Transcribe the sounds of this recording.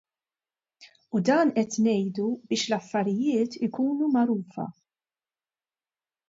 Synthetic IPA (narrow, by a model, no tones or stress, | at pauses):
ud̪ɐːnʔɛt̪nɛjd̪ubɪːʃlɐfːɐɾɪjɪːt̪ɪkuːnumɐɾuːfɐ̰